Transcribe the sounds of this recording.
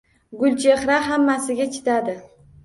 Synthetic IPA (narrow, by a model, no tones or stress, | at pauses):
ɡʊlʲt͡ʃʰeχɾaɦamːasɪɡʲat͡ʃʰɪ̥t̪ad̪ɪ